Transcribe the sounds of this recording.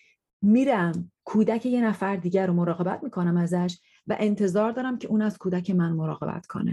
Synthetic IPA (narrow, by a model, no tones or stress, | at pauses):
miːɾæmkʰuːd̪æcʰe̞je̞næfæɾd̪iːɟæɾomoɾɒːɣe̞bæt̪̚ʰmiːkʰonæmæzæʃ̬ | væ̰ʔe̞nt̪ʰe̞zɒːɾd̪ɒːɾæmcʰe̞ʔuːnæz̥kʰuːd̪æcʰe̞mænmoɾɒ̰ːɣe̞̰bæ̰t̪kʰo̞̰nḛ